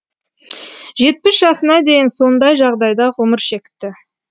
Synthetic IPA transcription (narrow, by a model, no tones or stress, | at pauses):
ʒe̞t̪̚pɪsʒɑsənɑd̪e̞jɪnso̞nd̪ɑjʒɑʁd̪ɑjd̪ɑʁʊməɾʃe̞kʲɪ̥t̪ːɪ